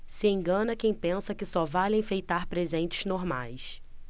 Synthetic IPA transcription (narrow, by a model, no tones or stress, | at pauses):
sɪẽŋɡɐ̃nɐkẽj̃pẽsɐkɪsɔvalẽj̃fejt̪aɾpɾezẽnt͡ʃɪ̥znoɾma̰js